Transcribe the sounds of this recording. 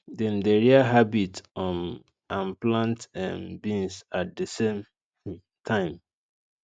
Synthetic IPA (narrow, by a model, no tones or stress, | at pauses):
dɛ̃ndeɹiaɦabitɔ̃n | ãnplãntã̰nbĩnsat̚desẽm | tʰãɪ̃m